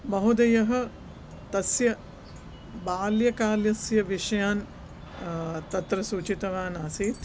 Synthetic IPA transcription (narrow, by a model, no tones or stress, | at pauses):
bɐɦud̪ɐjɐɦɐ̆ | t̪ɐsjɐ | baːljɐkaːljɐsjɐʋiʂɐjaːn | t̪ɐt̪ɾɐsuːt͡ʃit̪ɐʋaːnaːsiːt̪